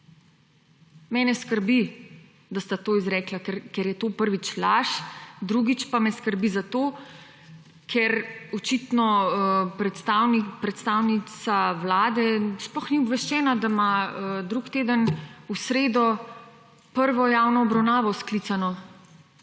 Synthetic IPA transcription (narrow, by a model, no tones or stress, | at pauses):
mɛːnɛskəɾbi | d̪ast̪at̪oːizɾɛːklakɛɾkɛɾjɛt̪oːpəɾʋit͡ʃlaʃd̪ɾuɡit͡ʃpamɛskəɾbizat̪oː | kʰɛɾɔt͡ʃit̪nɔpɾɛt̪st̪aːwnikpɾɛt̪st̪aːwnit̪saʋlaːd̪ɛsplɔxniɔbʋɛʃt͡ʃɛːnad̪amad̪ɾukt̪eːd̪ənusɾeːd̪ɔ | pəɾʋɔjaːwnɔːbɾawnaːʋɔsklit̪sanɔ